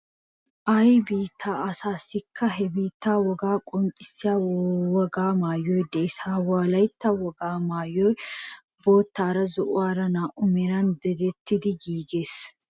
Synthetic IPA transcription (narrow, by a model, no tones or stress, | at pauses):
ʔɐjbiːt̪ʰːaːʔɐsaːsɪkʰːɐɦɛbiːt̪ːaːwɔɡaːkʼɔŋkʼɪ̥sːɪjaːwɐɡaːmaːjːɔjd̪ɛɪsaːwaːlɐjt̪ːawɔɡaːmaːjːɔj | bo̞ːt̪ːaːɾɐzʊʔʊaːɾɐnaːʔʊmɛɾɐnd̪ɛd̪ɛt̪ːɪd̪ɪɡiːɡeːs